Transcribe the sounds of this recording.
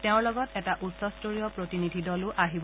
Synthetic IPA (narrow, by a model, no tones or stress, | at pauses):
teʊ̃ɹlɔɡɔtɛtaʔutsɔstoɹijɔpɹotinidʱidɔlʊʔaɦib